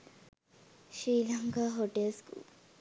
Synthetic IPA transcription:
ʃɾiːlaŋkaɦoʈelskṵːl

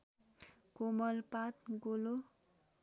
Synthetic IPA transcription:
komʌlpat̪ɡolo

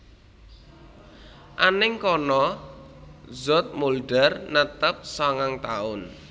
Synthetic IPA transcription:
ʔanɪŋkɔnɔ | zɔt̪̚mulɖɛrnət̪əp̚saŋaŋt̪aʊn

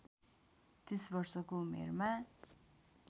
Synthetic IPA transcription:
t̪esbʌrsʌkomḛrma

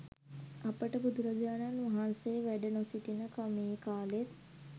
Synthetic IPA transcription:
apəʈəbud̪uɾəɡaːnanʋaɦanseʋæɖənosiʈinəkamiːkaːlet̪̚

